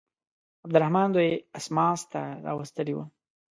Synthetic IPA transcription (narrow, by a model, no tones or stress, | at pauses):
ab̚d̪ʊɾahmɑnd̪ojeasmɑst̪aɾɑ̰wəst̪əliwə̰